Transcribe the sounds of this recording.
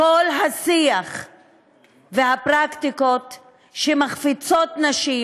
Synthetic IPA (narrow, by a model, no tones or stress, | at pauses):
olɦasiaχ | veɦapʁakt̪iko̞t | ʃemaχfit͡so̞tnaʃi